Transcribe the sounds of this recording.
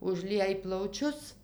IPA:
ʊʒʲˈlʲiɛj plˠɐʊˈt͡ʃʲʊs

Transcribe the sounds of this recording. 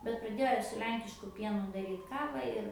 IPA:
bʲɛt prɐˈdʲeːjoː sʊ ˈlʲɛŋʲkʲɪʃkʊ ˈpʲiɛnʊ dɐˈrʲiːt ˈkɑːʋɐ ɪr

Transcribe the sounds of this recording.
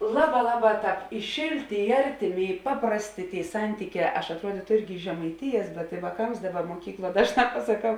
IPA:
ˈlˠɑːˌbɑː ˈlˠɑːˌbɑː ˈtɑːp ɪ ˈʃʲeːlʲˌtʲeː ɪ ˈɐrʲtʲɪˌmʲeː ɪ ˈpɑːprɐsʲˌtʲeː ˈtʲeːɪ ˈsɐnʲtʲiːˌkʲɛː ɐʃ ɐtˈruɔdʲiːtʊ ˈɪrʲɡʲɪ ʒʲɛmɐɪˈtʲɪjɛs bʲɛt ɪ ʋɑːˈkɐms ˈdɑːˌbɐ muɔˈkʲiːkˌlˠuɔ ˈdɑːʒˌnɑː pɐsɐˈkɐʊ

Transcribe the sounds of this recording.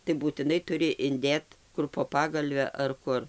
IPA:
tɐɪ buːtʲɪˈnɐɪ ˈtʊrʲɪ ɪnʲˈdʲeːt ˈkʊr poː ˈpɑːɡɐlʲʋʲɛ ɐr ˈkʊr

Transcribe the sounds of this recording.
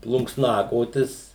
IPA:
plˠʊŋksˈnɑːkoːtʲɪs

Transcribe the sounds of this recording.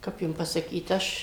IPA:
ˈkɐp jʊm pɐsɐˈkʲiːt ˈɐʃ

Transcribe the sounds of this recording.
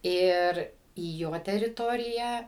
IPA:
ˈɪr iː ˈjoː tʲɛrʲɪˈtoːrʲɪjæː

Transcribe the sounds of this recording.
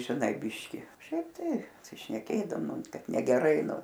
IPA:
ʒʲɪˈnɐɪ ˈbʲɪʃʲkʲɪ ˈʃʲɛɪp ˈtɐɪ pɐsʲɪʃʲnʲɛˈkʲeːdɐʋoːm ˈnʊ ˈkɐt nʲɛɡʲɛˈrɐɪ ˈnʊ

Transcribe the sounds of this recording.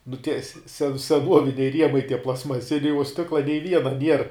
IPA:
nʊ tʲiɛ sʲɛ sʲɛ sʲɛˈnuɔʋʲɪnʲɛɪ ˈrʲiɛmɐɪ tʲiɛ plˠɐstmɐˈsʲɪnʲɛɪ uɔ ˈsʲtʲɪklˠɐ nʲɛɪ ˈʋʲiɛnɐ nʲiɛr

